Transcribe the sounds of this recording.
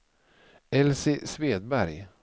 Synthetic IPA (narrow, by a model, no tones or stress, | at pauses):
ɛlsɪsveːd̪̚bæɾj